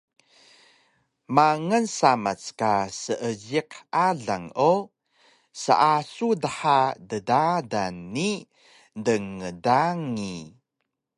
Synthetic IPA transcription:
maŋənsamat͡skasəʔəɟiqaɮaŋo | sə̰ʔasudəħadədadanːi | dəŋədaŋi

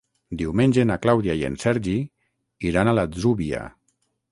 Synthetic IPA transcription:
d̪iwmenʲd͡ʒenaklawðiajḛnsɛɾʒi | iɾanalazuβia̰

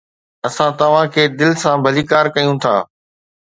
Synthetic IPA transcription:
ɐsãt̪ɐʋ̤ãkʰeːd̪ɪlsãbʱɐliːkaːɾkɐjũt̪ʰa̰ː

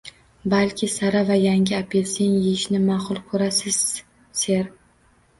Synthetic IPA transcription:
balkʲʰɪsaɾavajaŋʲɪapʰe̞lseŋjejɪʃnɪmaχʊlˠkʰɵɾasɪz̥ | se̞ɾ

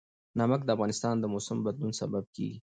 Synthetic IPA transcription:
nɑmək̚d̪əafɣɑnɪst̪ɑnd̪əmosɪmbad̪lunsa̰bab̚kḛɡi

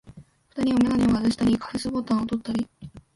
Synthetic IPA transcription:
ɸɯ̟̥t̪aɲ̟iomʲenaɲʲioad̪aɕi̥t̪aɾʲikʰḁɸɯsɨbot̪ãɰ̃ot̪o̞t̪ːaɾʲi

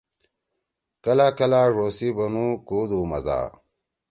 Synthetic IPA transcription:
kɐlakɐlaʐosibɐnukoːd̪umɐ̰za̰ː

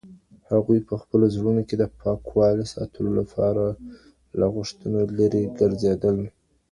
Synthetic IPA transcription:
haɣujpəxpəlozɽunoked̪əpʰɑkwɑlesɑ̰t̪ʰəlolapʰɑɾa | laɣʊʂt̪ənalaɾeɡəɾzed̪əl

